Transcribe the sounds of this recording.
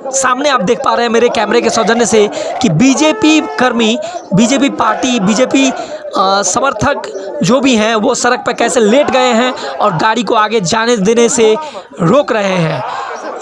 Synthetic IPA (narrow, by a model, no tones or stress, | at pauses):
saːmneaːp̚d̪eːk̚ʰpaːɾɐɦɛ̃meːɾekɛːmɾek̬esɔd͡ʒə̃nəsekibiːd͡ʒeːpikɐɾmibiːd͡ʒeːp̬ipaːɾʈibiːd͡ʒeːpi | sɐməɾt̪ʰəkd͡ʒoːbʱiɦɛ̃ʋosɐɾək̚ʰpəɾkɛːseleːʈɡɐeɦɛ̃ɔːɾɡaːɽikoaːɡed͡ʒaːned̪eːnese | ɾoːkɾɐɦeɦɛ̃ː